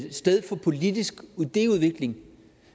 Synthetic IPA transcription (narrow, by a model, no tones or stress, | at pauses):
sd̥eð̞ˠfɒ̽pʰo̝lid̥isɡ̥ud̥e̝̰ːuð̞ˠʋe̝ɡ̥le̝ŋ